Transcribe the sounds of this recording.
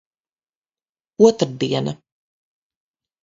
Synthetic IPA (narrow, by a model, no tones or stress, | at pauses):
uɔt̪ɾad̪iɛnɐ